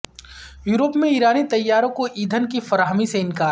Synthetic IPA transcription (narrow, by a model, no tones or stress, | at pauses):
juːɾoːpmẽiːɾaːnit̪ɐjːaːɾõkoʔiːd̪ʱənkifɐɾaːɦmiseɪnkaː